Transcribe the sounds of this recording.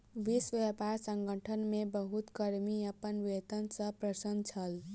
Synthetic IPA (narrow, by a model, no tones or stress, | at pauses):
ʋisʋepaɾsə̃ŋɡəʈʰənmebəɦut̪kəɾmiəpənʋet̪ənsə̃pɾəsənd̪̚t͡ʃʰəl